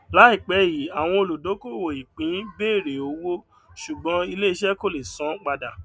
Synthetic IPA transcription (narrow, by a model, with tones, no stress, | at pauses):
la˨˦i˦˨k͡pɛ˨˦ji˨˦a˨w̃ɔ̃˧o˧lo˨do˨˦ko˦˨wo˨i˨k͡pĩ˨˦beː˦˨ɾe˨o˨˧˦wo˦ | ʃu˨ɡ͡bɔ̃˨˦i˧le˦i˧˦ʃɛ˦ko˦˨le˨sɔ̃˨˦k͡pa˧da˨